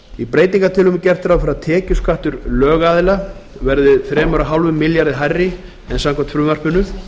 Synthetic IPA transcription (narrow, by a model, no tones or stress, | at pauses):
ipɾeːjt̪niŋkat̪ʰɪlʏmcɛr̥t̪ɾawfɪɾat̪ʰɛːcʏskaht̪ʏɾlœːɣaːðɪlavɛɾðɪθɾɛːmœɾaɦawlvʏmːɪljaɾðɪɦajrːɪ | ɛnsamkʰant̪fɾʏːmɛr̥pʏnʏ